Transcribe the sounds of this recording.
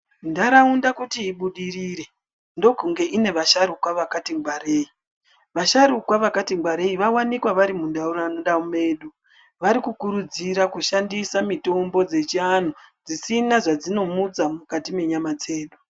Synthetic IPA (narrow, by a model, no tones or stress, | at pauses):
ndaɾaundakutiːɓuɗiriːɾe̞ | ndo̞kuŋɡe̞ʔine̞ʋaʃaɾukwaʋakatiŋɡware̞ːi | ʋaʃaɾukwaʋakatiŋɡwaɾe̞iʋawanikwaʋaɾimundauɾaanoɗaume̞ːɗu | ʋaɾikukuɾud͡ziɾakuʃandisamito̞mbo̞d͡ze̞t͡ʃian̤ud͡zisinaʐad͡zino̞mud͡zamukatime̞ɲamad͡ze̞ːɗu